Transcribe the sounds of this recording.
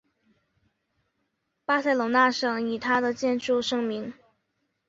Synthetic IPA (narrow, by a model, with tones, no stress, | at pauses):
pa˥sa˥˩ɪlo˨˩ŋna˥˧ʂɤ˨˩ŋi˨˩t̪ʰa˥d̪ə˨t͡ɕjɛ˥˧nʈ͡ʂu˥˧ʂɤ˥ŋmi˧˥ŋ